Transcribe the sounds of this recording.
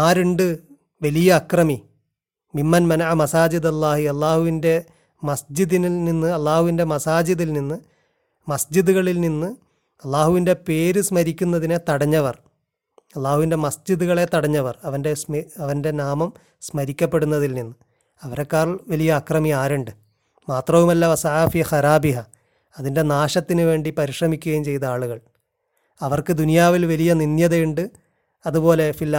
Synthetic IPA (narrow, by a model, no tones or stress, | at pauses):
aːɾeɳɖɨ | ʋɐlijɐːkrɐmi | mimːɐnmɐnɐʕamɐsaːd͡ʑiðɐlːaːhiɐlˠːaːhuʋinde̞ | mɐsd͡ʑiðinilninːɨɐlːaːhuʋinde̞mɐsaːd͡ʑiðilninːɨ | mɐsd͡ʑiðuɣɐɭilninːɨ | ɐlːaːhuʋinde̞pe̞ːɾusmɐɾikʲːunːɐðinet̪ɐɽɐɲːɐʋɐr | ɐlˠːaːhuʋinde̞mɐsd͡ʑiðuɣɐɭe̞t̪ɐɽɐɲːɐʋɐrɐʋɐnde̞sɐʋɐnde̞naːmɐm | smɐɾikʲːɐpːe̞ɽunːɐðilninːɨ | ɐʋɐɾekːaːrʋɐlijɐːkrɐmiaːɾuɳɖɨ | maːt̪rɐʋumɐlːaʋɐsɐʕafiːxɐɾaːbiɦɐ | ɐðinde̞naːɕɐt̪ːinɨʋe̞ːɳɖipɐɾiʂrɐmikʲːuɣɐjumt͡ɕe̞jt̪ɐaːɭuɣɐɭ | ɐʋɐrkɨd̪unijaːʋilʋɐlijɐninjɐðɐjuɳɖɨ | ɐðupo̞ːle̞filː